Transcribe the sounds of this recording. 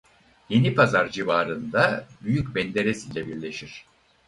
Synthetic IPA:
je̞nipʰazaɾd͡ʒivaːɾɯnd̪abyjycbɛnd̪e̞ɾesilʲɛbiɾlʲe̞ʃiɾ̥

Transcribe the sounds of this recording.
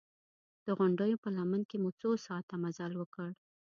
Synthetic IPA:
d̪̥əɣʊɳɖəjopəlamənkemut͡sosɑt̪amazalwəkəɽ

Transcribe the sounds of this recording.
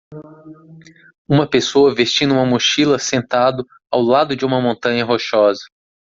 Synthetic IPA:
ũmɐpesoɐvest͡ʃĩnd̪ʊũmɐmoʃilɐsẽnt̪ad̪ʊ | awlad̪ʊd͡ʒɪũmɐmõnt̪ɐ̃ɲɐɦoʃɔzɐ

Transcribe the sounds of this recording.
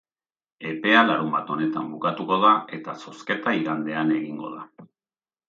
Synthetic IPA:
e̞pe̞alaɾumbat̪o̞ne̞t̪ambukat̪uko̞ðae̞t̪aso̞ske̞t̪aiɣand̪e̞ane̞ɣiŋɡo̞̰ð̞a

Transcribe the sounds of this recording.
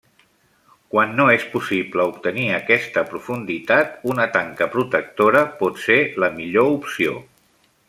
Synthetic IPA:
kwanːoespusipləupt̪əniəkɛst̪əpɾufund̪it̪at̪unət̪aŋkəpɾut̪ək̚t̪oɾəpɔt̪seləmiʎoupsio̰

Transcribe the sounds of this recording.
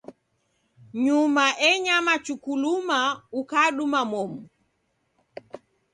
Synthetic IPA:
ɲumaʔɛɲamat͡ʃukulumaukaɗumamɔmu

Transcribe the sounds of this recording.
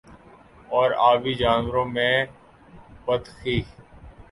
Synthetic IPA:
ɔːɾaːʋiːd͡ʒaːnʋɾõːmẽː | pət̪xiː

